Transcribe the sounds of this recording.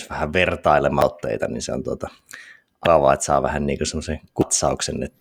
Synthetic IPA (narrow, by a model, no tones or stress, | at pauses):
sʋæhæʋʋert̪ɑilemɑot̪ːḛit̪ɑninsḛo̰nt̪uot̪ɑ | ʔɑkɑʋɑ̰ˑet̪sɑ̰ːʋæhænniːŋkosemːoseŋkut̪sɑuksenːḛt̪ː